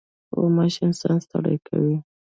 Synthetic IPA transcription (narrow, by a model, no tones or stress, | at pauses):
o̰maʃɪnsanst̪aɽa̰jkawi